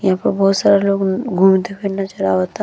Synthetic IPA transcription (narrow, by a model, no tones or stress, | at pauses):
jɐɦãpɐɾbɔɦut̪saːɾaloːɡɡʱuːmt̪epʰɪɽnat͡ʃɐɾaɦoːt̪a